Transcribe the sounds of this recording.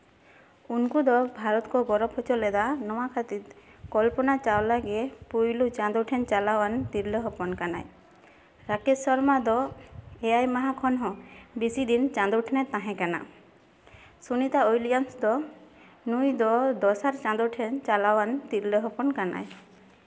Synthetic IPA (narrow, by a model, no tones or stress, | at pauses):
unkud̪ɔbʱaɾɔt̪kɔɡɔɾɔpʰɔt͡ʃɔlɛd̪anɔwakʰat̪it̪kɔlpɔnat͡ʃawlaɡepujlut͡ʃãnd̪uʈʰɛnt͡ʃalawant̪iɾleɦɔpɔnkana̰j | ɾakesɔɾmad̪ɔejajmaɦakʰɔnɦɔ̃bisid̪int͡ʃãnd̪uʈʰnɛt̪ãɦɛ̃kana̰ | sunit̪aojlijansd̪ɔ | nujd̪ɔd̪ɔsaɾt͡ʃãnd̪uʈʰɛnt͡ʃalawant̪iɾleɦɔpɔnkana̰j